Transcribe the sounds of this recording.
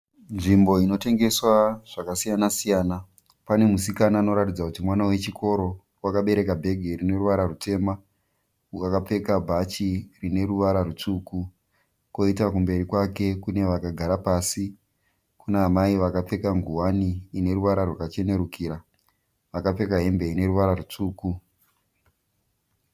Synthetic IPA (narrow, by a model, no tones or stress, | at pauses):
nʐimbo̞ino̞te̞ŋɡe̞swaʐ̥akasijanasijaːna | pane̞musikanaːno̞ɾatid͡zakutimwanawe̞t͡ʃikʰo̞ɾo̞ | wakaɓe̞ɾe̞kabʱe̞ɡʱe̞ɾine̞ruʋaɾarute̞ːma | uakap͡fe̞kabʱat͡ʃirine̞ɾuʋaɾarut͡ʂuku | ko̞itak̬umbe̞ɾikwake̞kune̞ʋakaɡʱaɾapaːsi | kunaːmaiʋakap͡fe̞kaŋɡuwaniːne̞ɾuʋaɾarwakat͡ʃe̞ne̞ɾukiːɾa | ʋakap͡fe̞kaɦe̞mbe̞ine̞ɾuʋaɾarut͡suːku